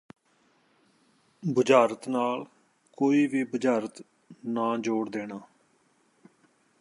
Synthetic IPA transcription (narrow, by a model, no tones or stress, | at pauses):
bʊd͡ʒaːɾət̪naːl | koːiːʋiːbʊd͡ʒaːɾət̪ | nãːd͡ʒoːɽd̪eːnaː